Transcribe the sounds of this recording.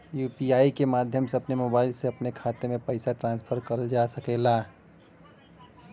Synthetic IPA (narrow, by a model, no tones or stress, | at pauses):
jupiaikemad̪ʱjəmseəpnemobaɪlseəpnekʰat̪emepəɪsaʈɾãnspʰəɾkəɾəld͡ʒasəkɛla